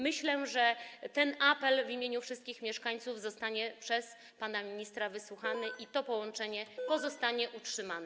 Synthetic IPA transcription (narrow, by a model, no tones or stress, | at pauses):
mɘɕlɛʐɛt̪ɛnʔapɛlvimʲjeɲufʂɨst̪̚kʲixmʲjɛʂkaɲt̪suvzɔst̪aɲɛpʂɛs | panamʲiɲist̪ɾavɘswuxanɘʔit̪ɔpɔwɔnt͡ʂɛɲɛpɔzɔst̪aɲɛʔutʂɘmanɛ